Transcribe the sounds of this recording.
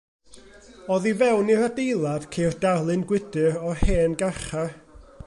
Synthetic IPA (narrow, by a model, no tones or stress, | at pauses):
ɔðivɛwniɾadejlˠad̥kʰejrdarlˠɨnɡwɪdɨɾɔheːnɡaχa